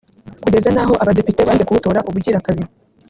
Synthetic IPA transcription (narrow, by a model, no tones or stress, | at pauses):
kuɟe̞zanaɦo̞ʔaβade̞pite̞βaːnze̞kuβutoːɾaʔuβuɾɟiːɾakaβio